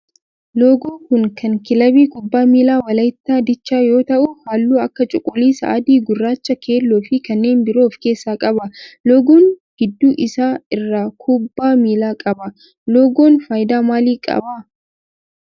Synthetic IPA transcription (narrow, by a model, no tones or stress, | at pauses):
loːɡoːkʊŋkɐŋkɪlɐbiːkʊbːaːmiːlaːwɐlɐjt̪ːaːd̪ɪt͡ʃːaːjo̞ːt̪ɐʔʊhaːlːuːɐkːɐt͡ʃʼʊkʼːʊliːsɐ̰ʔɐd̪iːɡʊrːaːt͡ʃːɐkʰe̞ːlːoːfɪkɐnːe̞ːnbɪɾo̞ːfke̞ːsːaːkʼɐbɐlɔːɡoːnɡ̥ɪd̪ːuːʔɪsaːɪrːaːkʰʊbːaːmiːlaːkʼɐbɐ | loːɡo̞ːnfaːjɪd̪aːmaːliːkʼɐ̰ba